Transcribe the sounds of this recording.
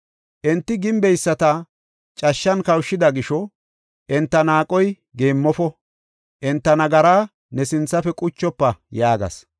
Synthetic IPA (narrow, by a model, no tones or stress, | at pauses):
ʔɛnt̪ːɪɡɪmbɛjsːɐt̪ɐ | t͡ʃʼɐʃːɐnkɐwʃːɪd̪ɐɡɪʃɔ | ʔɛnt̪ːɐnaːkʼɔj | ɡeːmːɔfɔ | ʔɛnt̪ːɐnɐɡɐɾaː | nɛsɪnt͡sːɐfɛkʼʊt͡ʃːɔpːɐjaːɡɐ̰s